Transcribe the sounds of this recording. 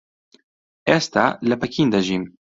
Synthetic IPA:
ɛst̪aləpɛkʰiːnd̪ɐʒim

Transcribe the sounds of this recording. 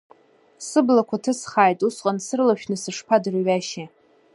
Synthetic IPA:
sɨblakʷʰatʰɨsχaːjtʼusqʼansɨrlaʃᶣnɨsɨʂpʰadɨrɥaʃe

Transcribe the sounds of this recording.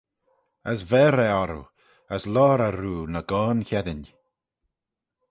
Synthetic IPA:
əsvɛːɾɛɔɾṵ | əslɔːɾaɾuːnəɡɔːnçɛðɪn

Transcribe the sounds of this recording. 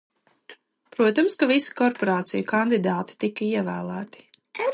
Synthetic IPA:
pɾuɔt̪amskavisi̥kɔɾpɔɾaːt̪sijukand̪id̪aːt̪i̥t̪ikːɐiɛvæːlˠæːt̪i̥

